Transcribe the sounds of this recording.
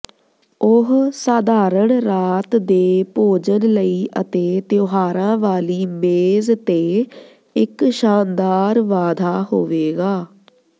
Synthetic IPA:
ʊɦsaːd̪aːɾəɳɾaːt̪d̪eːpoːd͡ʒənləiːʔət̪eːt̪joːɦaːɾãːʋaːliːmeːzt̪eː | ɪkʃaːnd̪aːɾʋaːd̪ʱaːɦoːʋeːɡaː

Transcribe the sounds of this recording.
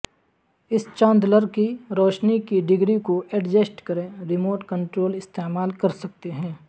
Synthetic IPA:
ɪst͡ʃãːnd̪ləɾkiɾoːʃnikiɖɪɡɾikoʔɛɖd͡ʒesʈkɐɾẽɾɪmoːʈkə̃ɳʈɾoːlɪst̪eːmaːlkɐɾsɐk̚t̪eɦɛ̃ː

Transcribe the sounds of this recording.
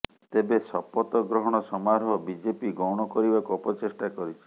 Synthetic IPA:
t̪ebesɔpɔt̪ɔɡɾɔɦɔɽ̃ɔsɔmaɾɦɔbid͡ʒepiɡɔwɽ̃ɔkɔɾibakuɔpɔt͡ʃesʈakɔɾit͡ʃʰi̥

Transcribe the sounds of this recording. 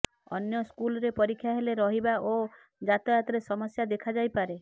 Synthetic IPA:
ɔ̰njɔskulɔɾepɔɾikʰːjaɦeleɾɔɦibaʔo | d͡ʒat̪ɔjat̪ɔɾesɔmɔsjad̪ekʰad͡ʒajpaɾe

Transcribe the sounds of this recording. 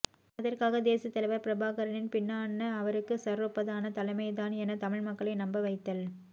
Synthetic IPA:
ɐðɐrkaːɣɐd̪eːsɐt̪ːɐlɐɪʋɐɾpɪɾɐbʱaːɣɐɾɐnɪnpɪnːaːɳːɐːʋɐɾɯkːɯsɐrɯpːɐðaːnɐt̪ɐlɐɪmɐɪt̪aːnɛnɐt̪ɐmɪɻmɐkːɐɭɐɪnɐmbɐʋɐɪt̪ːɐl

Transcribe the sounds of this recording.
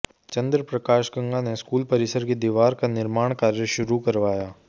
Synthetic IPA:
t͡ʃɐ̃nd̪ɾəpɾɐkaːʃɡɐ̃ŋɡaneskuːlpɐɾɪsəɾked̪iːʋaːɾkanɪɾmaːɽ̃kaːɾjəʃʊɾukɐɾʋaːjaː

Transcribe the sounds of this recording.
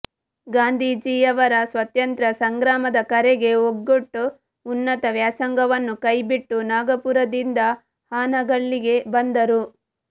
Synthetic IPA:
ɡaːnd̪ʱiːd͡ʒijɐʋɐɾɐsʋɐt̪jɐnt̪ɾɐsɐŋɡɾaːmɐd̪ɐkɐɾeɡe̞oɡːoʈːu | unːɐt̪ɐʋjaːsɐŋɡɐʋɐnːukɐjbiʈːunaːɡɐpuɾɐd̪ind̪ɐ | haːnɐɡɐɭːiɡe̞bɐnd̪ɐɾu

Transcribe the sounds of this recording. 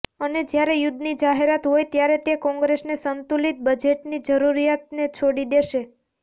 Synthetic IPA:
əned͡ʒjaɾejʊd̪ʱnid͡ʒaɦeɾat̪ɦojt̪jaɾet̪ekɔ̃ŋɡɾesnesənt̪ulit̪̚bəd͡ʒeʈnid͡ʒəɾuɾijat̪̚net͡ʃʰoɽid̪eʃe

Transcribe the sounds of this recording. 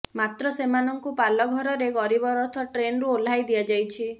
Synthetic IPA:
mat̪ɾɔsemanɔŋkupalɔɡʱɔɾɔɾeɡɔɾibɔɾɔɾt̪ʰɔʈɾenɾuol̤ajd̪iad͡ʒajt͡ʃʰi

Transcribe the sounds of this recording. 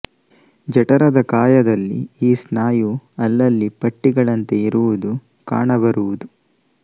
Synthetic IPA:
d͡ʒɐʈɐɾɐd̪ɐkaːjɐd̪ɐlːḭiːsnaːjuɐlːɐlːipɐʈːiɡɐɭɐnt̪e̞iɾuʋud̪u | ka̰ːɳɐbɐɾuʋud̪u

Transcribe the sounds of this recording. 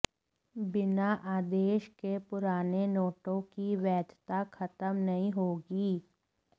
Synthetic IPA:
bɪnaʔaːd̪eːʃkepʊɾaːnenoːʈõkiʋɛːd̪ʱt̪akʰɐt̪əmnɐɦĩɦoːɡiː

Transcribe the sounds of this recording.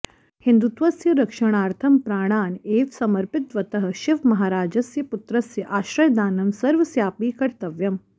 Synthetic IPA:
hɪnd̪ut̪ʋɐsjɐɾɐkʂɐɳ̃aːɾt̪ʰɐmpɾaːɳ̃aːneːʋsɐmɐɾpɪt̪ʋɐt̪ɐɦɐ̆ʃɪʋmɐɦaːɾaːd͡ʒɐsjɐput̪ɾɐsjɐʔaːʃɾɐjd̪aːnɐmsɐɾʋɐsjaːpiːkɐɾt̪ɐʋjɐm

